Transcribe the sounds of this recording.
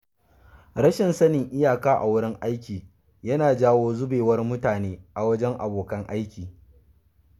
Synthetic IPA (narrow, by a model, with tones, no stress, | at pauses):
ɾɐ˦ʃɪ˨nsɐ˦nɪ˨ŋʔɪ˦jaː˨kaː˦ʔa̰˨wʊ˦ɽɪ˦ŋʔa˦jkʲiː˨ | jɐ˦naː˨d͡ʒaː˦woː˦zʊ˦beː˨wɐ˦rmʊ˦taː˨neː˦ʔa˨wɐ˦d͡ʒɛ˦ŋʔa̰˨boː˨kɐ˦ŋʔa˦jkʲiː˨